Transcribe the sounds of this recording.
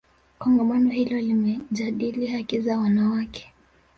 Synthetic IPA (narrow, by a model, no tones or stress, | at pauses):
kɔŋɡamanɔhilɔlimɛʄaɗilihakizawanawakɛ̥